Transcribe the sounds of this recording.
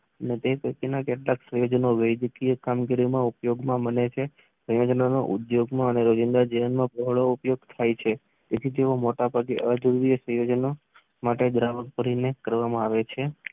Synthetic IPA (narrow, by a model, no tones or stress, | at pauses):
ənet̪ekəkenakeʈlaksə̃jod͡ʒnoʋəjd͡ʒ̪kijəkamɡiɾimãupjoɡmãbənet͡ʃʰe | sə̃jod͡ʒnano̰ʔud̪joɡmãəneɾod͡ʒɪnd̪aɾd͡ʒiʋənmãpəɦɭoupjoɡ̚t̪ʰajt͡ʃʰe | t̪et̪ʰid͡ʒeʋomoʈabʱaɡeʔəd͡ʒəɾuɾijəsə̃jod͡ʒno | maʈed̪ɾaʋək̚pəɾinekəɾʋamãaʋet͡ʃʰe